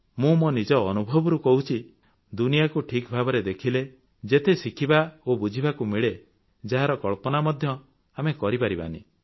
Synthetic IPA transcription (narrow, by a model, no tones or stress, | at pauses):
mũmonid͡ʒɔːnubʱɔbɔɾukɔɦut͡ʃʰi | d̪unijakuʈʰikbʱabɔɾed̪ekʰile | d͡ʒet̪esikʰibaobud͡ʒʱibakumiɭe | d͡ʒaɦaɾɔkɔɭpɔnamɔd̪ʱjɔ | amekɔɾipaɾiba̰nḭ